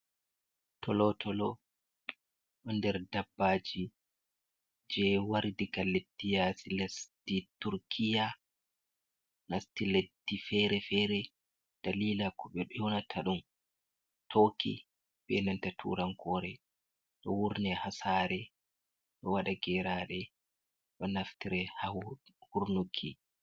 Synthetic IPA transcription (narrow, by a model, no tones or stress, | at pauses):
tʰɔlɔtʰɔlɔ | ɗɔndɛɾdabːaːd͡ʒi | d͡ʒɛwaɾdiɡalːedːijasilastituɾkʰija | nastiledːifɛɾɛfɛːɾɛ | d̥aliːlakɔɓɛɗɔjɔnatʰaɗum | tʰokḭ | ɓɛnantatʰṵɾaŋkɔːɾɛ | ɗɔ̰wuɾnɛhasaːɾɛ | ɗɔwaɗaɡɛɾaɗɛ | ɗɔnaftiɾɛhahuɾnukʰi